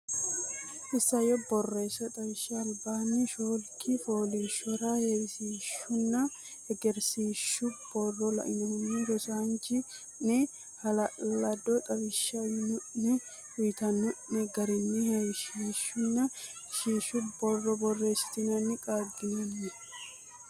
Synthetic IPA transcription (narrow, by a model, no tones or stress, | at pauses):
ʔɪsːɐjɔbɔrːe̞ːsɐt̪ʼɐβɪʃːɐːlbaːnːɪʃoːlkʰɪfoːliʃɔɾahesiːʃːʊnːɐ | ɛɡɛɾsiːʃːʊb̥ɔrːɔlɐ̰ʔɪnɐnːɪd̪ɔsaːnt͡ʃɪ | nɛ | hɐlɐlɐd̪ɔt̪ʼɐbɪʃːɐʊjnʊʔnɪ | ʊjɪt̪ɐnʊʔɛɡɐɾɪnːɪhɐjʃiːʃːʊnːɐ | ʃiːʃʊbɔrɔbɔrːeːsɪ̥t̪ɪnɐnːɪkʼaːdijɛ